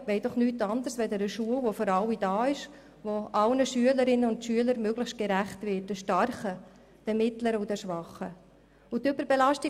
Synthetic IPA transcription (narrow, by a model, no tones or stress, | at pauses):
ʋeɪd̥ɔχnyːtɑnd̪əɾsʋɛdɛɾəʃuəlʋofɔɾɑlid̥ɑːɪʃ | ʋoʔɑlnəʃyələɾɪnəʊntʃyələɾmøɡləχʃt̚ɡ̥eɾæχtvɪt̚dəʃtɑɾχə | d̥ɛmɪtləɾəʊdɛʃʋɑχə | ʊtʏbəɾb̥elɑʃtɪ